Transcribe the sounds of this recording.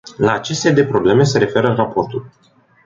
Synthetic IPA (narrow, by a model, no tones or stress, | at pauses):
laːt͡ʃe̞st̪ed̪e̞pɾo̞ble̞me̞se̞ɾe̞fe̞ɾərapo̞rt̪ul